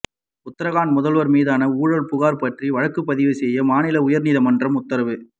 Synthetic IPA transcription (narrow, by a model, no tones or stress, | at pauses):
ʊt̪ːɐɾɐɣaːnmʊðɐlʋɐɾmiːðaːnɐuːɻɐɭpʊɣaːɾpɐʈriʋɐɻɐkːɯpːɐðɪʋɯsɛjːɐmaːnɪlɐʊjɐɾniːðɐmɐndrɐmʊt̪ːɐɾɐʋɯ